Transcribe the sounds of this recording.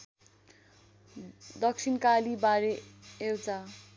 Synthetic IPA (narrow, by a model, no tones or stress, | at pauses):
d̪ʌk̚sʰinkalibaɾeewt͡sa